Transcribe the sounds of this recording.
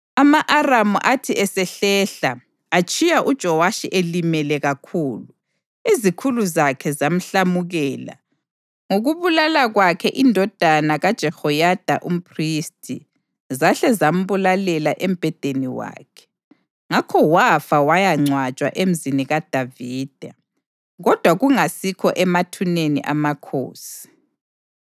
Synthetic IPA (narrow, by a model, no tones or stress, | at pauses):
amaʔaramuʔatʰiʔɛsɛɬɛɬaː | t͡ʃʰʼijaʔud̥ʒ̥ʱɔwaʃiʔelimɛlɛɣakʰuːlu | izikʰuluzakʰɛzam̩ɬamuɣɛːla̰ | ŋoɣuβulalaɣwakʰɛʔindʱɔd̥ʱanaɣad̥ʒ̥ʱɛhɔjad̥ʱa̰ʔum̩pʰristʰʼḭ | zaɬɛzam̩βulalɛlaʔɛm̩b̥ʱɛd̥ʱeniwa̰ːkʰɛ̥ | ŋakʰɔwafawajaŋ͡ǀʱwat͡ʃʼwa̰ʔem̩ziniɣad̥ʱaviːd̥ʱa | ɣɔd̥ʱwaɣuŋasikʰɔ̰ʔɛmatʰunenḭʔamakʰo̰ːsi̥